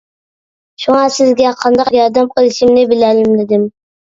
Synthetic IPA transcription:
ʃʊŋɑsɪzɡʲaqʰɑnd̪ɑqjɑɾd̪amqʰəlˠɪʃɪmnɪbɪlælɪmd̪ɪd̪ɪm

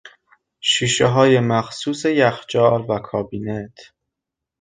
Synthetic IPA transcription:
ʃiːʃeɦɒːje̞mæxsuːsejæxd͡ʒɒːlvækʰɒːbiːnet̪ʰ

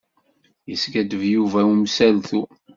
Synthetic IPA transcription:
jəsɡæd̪əvjuvæumsælθu

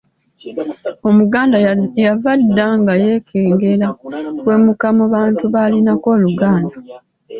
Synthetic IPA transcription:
o̞muɡaːndajavadːaŋɡaje̞ːkʰeːŋɡe̞lawe̞ːmukamuβaːntuβaːlinako̞ːluɡaːnda

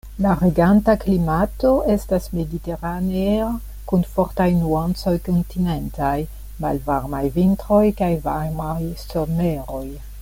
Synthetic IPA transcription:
laɾeɡantaklimato̞e̞stasme̞dite̞ɾanea | kunfo̞ɾtajnuant͡so̞jkontine̞ntaj | ma̰lvaɾmajvintɾo̞jkajvamajsomeɾo̞j

